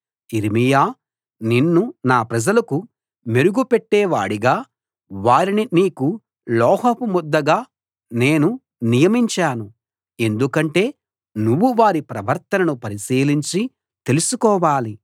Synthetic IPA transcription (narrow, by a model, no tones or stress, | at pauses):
iɾimijaː | ninːunaːpɾɐd͡ʒɐlɐku | me̞ɾuɡupe̞ʈːeːʋa̰ːɽiɡaː | ʋaːɾininiːku | lɔːɦopumud̪ːɐɡaː | ne̞ːnu | nijɐmiɲt͡ʃaːnu | e̞nd̪ukɐɳʈe̞ː | nuʋːuʋaːɾipɾɐʋɐɾt̪ɐnɐnupɐɾisiːliɲt͡ʃi | t̪elusukɔːʋaːli